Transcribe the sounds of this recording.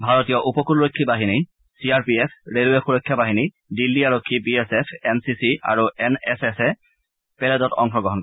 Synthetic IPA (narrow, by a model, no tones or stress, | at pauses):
bʱaɹotijɔʔupɔkulɹokʰːibaɦini | siaɹpiesʰɹeluɛxuɹojkʰːjabaɦini | dilːiaɹokʰːipiesepʰɛnsisia̰ɹuʔɛnɛsesɛ | pɛlɛzɔtɔ̰ŋxɔɡɹɔɦɔnkɔ